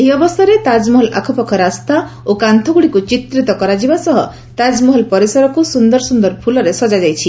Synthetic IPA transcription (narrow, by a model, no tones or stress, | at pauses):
eɦiɔbɔst̪ɔɾet̪ad͡ʒmɔɦɔla̰kʰɔpɔkʰɔɾast̪a | okant̪ʰɔɡuɽikut͡ʃit̪ɾit̪ɔkɔɾad͡ʒibasɔɦɔ | t̪ad͡ʒmɔɦɔlpɔɾisɔɾɔkusund̪ɔɾsund̪ɔɾpʰulɔɾesɔd͡ʒad͡ʒajt͡ʃʰi